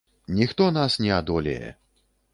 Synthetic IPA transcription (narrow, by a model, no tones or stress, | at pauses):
nʲixt̪ɔnasnʲɛad̪ɔlʲɛ̰jɛ̰